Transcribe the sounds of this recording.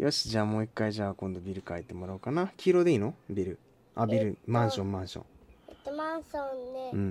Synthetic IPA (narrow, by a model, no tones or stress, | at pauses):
jʔoɕi̥d͡ʑaːmoːikːaiʑaːkõ̞nd̪o̞bʲiɾɯ̟kait̪e̞mo̞ɾaɯ̟kanakʲʰiɾod̪e̞iːnobʲiɾɯ̟ | abʲiɾɯ̟mãɰ̃ɕõ̞mːãɰ̃ɕõ̰ŋet̪ːemanɕõnːeɯ̟̃